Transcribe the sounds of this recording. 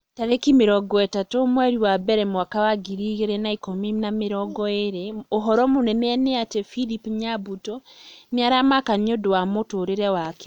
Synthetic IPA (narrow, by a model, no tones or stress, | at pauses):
taɾekimeɾɔɡɔɛtatomwɛɾiwabɛɾɛmwakawaɡiɾiɣeɾɛnaikominameɾɔɡɔeɾeoɦɔɾɔmonɛnɛɛneatɛfilipɲabutɔneaɾamakaniodowamotoːɾeɾɛwake̥